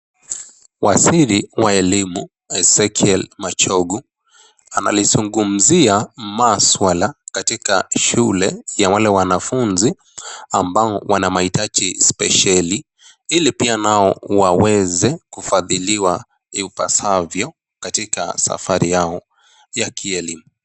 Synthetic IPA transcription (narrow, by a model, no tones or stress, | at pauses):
wasiɾiwaɛlimu | ɛsɛkʰɛlmat͡ʃɔɡu | ana̰lizuŋɡum̩ziamaswalakatikaʃulɛjawalɛwanafunzi | ambaɔwanamaitad͡ʒispɛ̰ʃali | ilipianaɔwawɛzɛkufaðiliwa | iupa̰savjɔ | katika̰sa̰faɾijaɔ | jakʰiɛlimu